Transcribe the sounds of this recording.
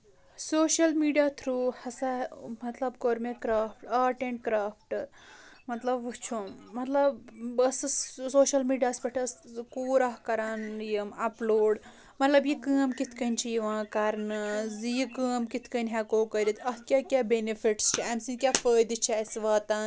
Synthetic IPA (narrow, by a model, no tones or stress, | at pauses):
soːʃɐlmiːɖijaːt̪ʰɾuːhɐsamɐt̪lɐbkoːɾmekɾaːfʈaːʈẽɳʈ̚kɾaːfʈ | mɐt̪lɐbʋut͡ʃʰumːɐt̪lɐbɐssoːʃɐlmiːɖijaːsbɐʈʰɐskuːɾɐɦkɐɾaːnjimɐploːɖ | mɐt̪lɐbjikəːmkit̪ʰkɐnʲt͡ʃʰijiʋãːkɐɾnɨzjikəːmkit̪ʰkɐnʲɦɛkoːkɐɾit̪ʰɐɦkʲjaːkʲabenifiʈst͡ʃʰiɐmsĩnkʲaːfəːjd̪ɨt͡ʃʰːsʋaːt̪an